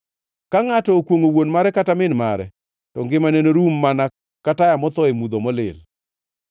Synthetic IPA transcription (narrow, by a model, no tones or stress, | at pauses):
kaŋatɔkwoŋowonmaɾɛkatamɪnmaɾɛ̰ | tɔŋɡɪmanenoɾumːana | katajamɔt̪ɔemud̪omɔlɪ̰l